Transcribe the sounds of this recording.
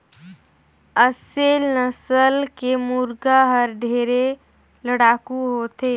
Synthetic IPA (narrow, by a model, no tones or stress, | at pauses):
əselnəsəlkemuɾɡaɦəɾɖʱeːɾe | ləɽaːkuɦot̪eː